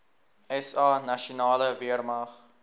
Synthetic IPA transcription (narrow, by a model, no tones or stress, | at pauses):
ɛsɑːnɐʃunɑːləviərmɐχ